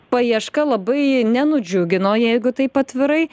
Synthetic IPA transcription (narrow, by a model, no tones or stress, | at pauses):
pɐiɛʃkɐlˠɐbɐɪnʲɛnʊd͡ʒʲʊɡʲɪnoːjɛɪɡʊt̪ɐɪpɐt̪ʲʋʲɪɾɐɪ